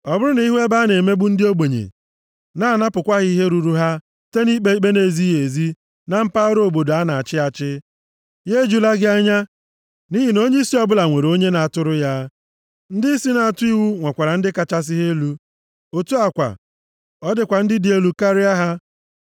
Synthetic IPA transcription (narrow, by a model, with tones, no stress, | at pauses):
ɔ˨bʊ˦ɾʊ˦na˨i˦ɦʷe˦ba˦ne˨me˦bu˦n̩˦dɪ˦o˦ɡ͡bo˨ɲḛ˨ | na˦˨na˦pʊ˨kʷa˦ɣi˦i˦ɦe˦ɾu˨ɾu˦ɦa˦ | te˦ni˦k͡pe˦k͡pe˦ne˨zi˦ɦe˨zi˦ | na˦m̩˦pa˦ɾo˦o˨bo˨do˨a˦na˨a˨t͡ʃɪ˦a˨t͡ʃɪ˦ | je˦d͡ʒu˦la˦ɡɪ˦a˦ɲa˦ | ni˦ɦi˨no˦ɲe˦i˦si˦ɔ˦bʊ˦la˨ŋʷe˨ɾo˦ɲe˦na˨a˨tʊ˦ɾʊ˦ja˦ | n̩˦dɪ˦si˦na˨a˨tʊ˦i˦wu˦ŋʷa˨kʷa˨ɾa˨n̩˦dɪ˦ka˨t͡ʃa˦s̬i˦ɦe˦lu˦ | o˨tu˦a˨kʷa̰˨ | ɔ˦dɪ˨kʷa˨n̩˦dɪ˦dɪ˨˦e˦lu˦ka˦ɾɪ˦a˦ɦa˦